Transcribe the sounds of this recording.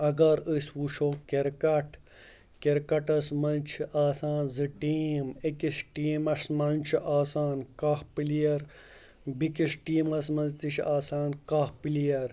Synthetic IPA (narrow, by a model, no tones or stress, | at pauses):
ɐɡɐɾəswuʃoːkeɾkɐʈʰ | keɾkɐʈɐsmɐnt͡ʃʰiʔaːsaːnzɨʈiːmekisʈiːmɐsmɐnt͡ʃʰiʔaːsaːnkahpilijɐɾ | bikisʈiːmɐsmɐzt̪iʃaːsaːnkahpilijɐɾ